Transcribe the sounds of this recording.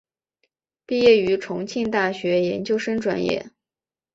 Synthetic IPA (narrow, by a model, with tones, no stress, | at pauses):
pi˥˧jɛ˥˩y˧˥ʈ͡ʂʰʊ˧˥ŋt͡ɕʰi˥˧ŋt̪a˥˩ɕɥɛ˧˥jɛ˧˥nt͡ɕjo˥ʊʂɤ˥ŋʈ͡ʂwa̰˨˩njɛ̰˥˩